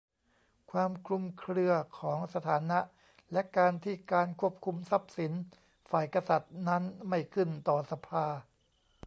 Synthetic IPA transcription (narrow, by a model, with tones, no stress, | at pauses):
kʰwaː˧mkʰlu˧mkʰɾɯ˧ɐkʰɔː˩˦ŋsa˧t̪ʰaː˩˦na˦˥ʔ | lɛ˦˥ʔkaː˧nt̪ʰiː˥˩kaː˧nkʰu˥˩əp̚kʰu˧msa˦˥p̚si˩˦n | faː˨˩jka˧sa˨˩t̪̚na˦˥nma˥˩jkʰɯ˥˩nt̪ɔː˨˩sa˧pʰaː˧